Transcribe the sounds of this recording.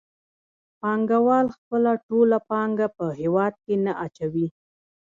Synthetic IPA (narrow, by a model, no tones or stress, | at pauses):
pɑŋɡawɑlxpəlaʈolapɑŋɡapəɦewɑd̪̚kenaʔat͡ʃawi